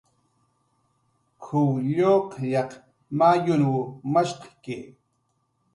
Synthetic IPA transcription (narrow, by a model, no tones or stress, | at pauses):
kʰʊwʎoqjɑq | majʊnwʊmaʃqɑ̥ke